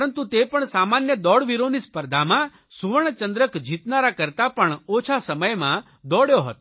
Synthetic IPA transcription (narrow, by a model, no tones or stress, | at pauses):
pɾənt̪ut̪epəɳsamanjəd̪ɔɽʋiɾonispəɾd̪ʱamã | suʋəɳt͡ʃənd̪ɾəkd͡ʒit̪naɾakəɾt̪apəɳot͡ʃʰasəməjmã | d̪ɔɽjoɦɔt̪